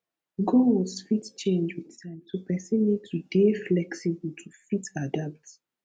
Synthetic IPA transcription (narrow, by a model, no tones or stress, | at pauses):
ɡɔwɔsfitt͡ʃẽnd͡ʒwiðtãɪ̃mtʰupɛsĩnːid̚tʰudeflɛksibutʰufitadalt